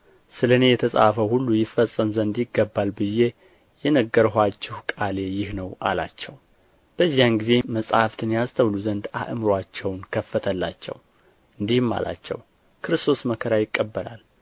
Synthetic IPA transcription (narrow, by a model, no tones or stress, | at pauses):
sɨləne̞jɛt̪ʰəsʼa̰fəwhulːujɪfːəsʼːəmzənd̪jɪɡːəbːalbɨje̞ | jɛnəɡːəɾɦʷat͡ʃːɛhkʼale̞jɪhnəwʔa̰la̰t͡ʃːɛw | b̥əzːijanɡize̞məsʼaft̪ʰɨnjast̪ʰəwluzənd̪a̰ʔɨmɾwat͡ʃːɛwnkʰəfːət̪ʰəlːa̰t͡ʃːɛ̰w | ɨnd̪ihɨmːa̰la̰t͡ʃːɛ̰w | kʰɨɾɨst̪ʰo̞sməkʰəɾajɪkʼːəbːəla̰l